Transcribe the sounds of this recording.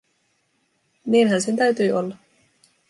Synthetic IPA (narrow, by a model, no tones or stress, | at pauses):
niːnɦænse̞nt̪æɥt̪yːʔolːɑ